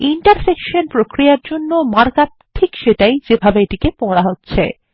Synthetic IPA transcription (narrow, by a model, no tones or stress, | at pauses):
iɳʈaɾsekʃonpɾokɾiaɾd͡ʑonːomaɾka | ʈʰːikʃeʈajd͡ʑebʱabeeʈikepɔɽaɦotːɕʰḛ